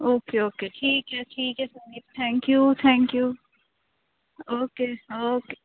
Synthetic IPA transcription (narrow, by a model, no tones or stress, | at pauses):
oːkeoːkeʈʰiːkɦɛʈʰiːkɦɛsɐliːpt̪ʰɛ̃ːŋkjuːt̪ʰɛ̃ːŋkjuː | oːkeːoːke